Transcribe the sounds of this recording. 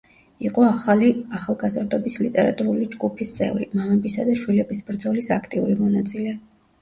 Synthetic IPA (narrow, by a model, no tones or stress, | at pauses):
iqʼɔaχaliaχalˠɡazɾd̪ɔbislit̪ʼɛɾa̰t̪ʼuɾulid͡ʒɡupʰist̪sʼɛ̰vɾḭmamɛbisad̪aʃwilɛbisbɾd̪zɔlisakʰt̪ʼiuɾimɔnat̪sʼilɛ